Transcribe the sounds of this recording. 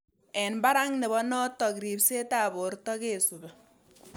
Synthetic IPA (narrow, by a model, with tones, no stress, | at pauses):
ɛ˨nba˦ɾa˦ŋne˨bɔ˦nɔ˦tɔ˨kɾi˨pse˦ta˨bo˨rtɔ˦keː˦˨su˨bɛ˨